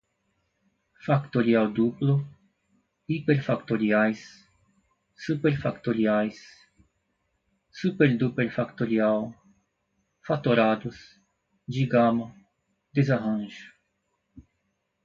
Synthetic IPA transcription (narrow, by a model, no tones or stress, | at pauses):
fakt̪oɾiawd̪uplo | ipeɾfakt̪oɾiajs | upeɾfakt̪oɾiajs | supeɾd̪upeɾfakt̪oɾiaw | fat̪oɾad̪us | d͡ʒiɡama | d̪ezaɦãnʒu